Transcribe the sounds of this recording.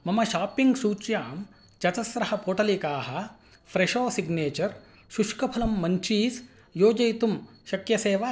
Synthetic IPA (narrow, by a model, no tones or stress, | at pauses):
mɐmɐʃaːpiŋɡsuːt͡ʃjaːm | t͡ʃɐtɐsɾɐhɐpoːʈɐlikaːɦɐ̆ | pʰɾeʃoːsiɡneːt͡ʃɐɾ | ʃuʃkɐpʰɐlɐmːɐɲt͡ʃiːs | joːd͡ʒɐjt̪um | ʃɐkjɐseːʋa